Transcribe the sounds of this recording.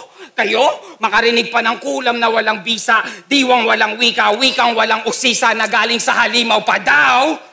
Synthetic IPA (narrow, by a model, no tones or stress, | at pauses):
kɐjomɐkɐɾɪnɪɡ̚pɐnɐŋkuːlɐmnɐwɐlaŋbiːsɐʔd̪iːwɐŋwɐlaŋwiːkɐwiːkɐŋwɐlaŋʔʊsiːsɐnɐɡaːlɪŋsɐhɐliːmɐwpɐd̪aw